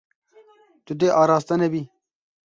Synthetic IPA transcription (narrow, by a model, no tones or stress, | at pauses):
t̪ud̪eʔɑːɾɑːst̪ɐnɐbi